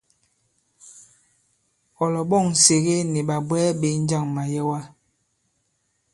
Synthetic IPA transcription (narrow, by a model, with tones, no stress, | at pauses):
ɔ˨lɔ˨ɓɔ˦˨ŋ̩˨se˨ɣe˦ni˨ɓa˨bwɛː˦ɓe˨˦n̩˦d͡ʒa˦˨ŋma˨jɛ˦wa˦